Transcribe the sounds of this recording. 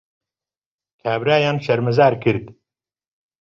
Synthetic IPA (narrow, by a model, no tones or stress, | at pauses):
kʰaːbɾaːjaːnʃɐɾmɐzaːɾkʰɨɾd̪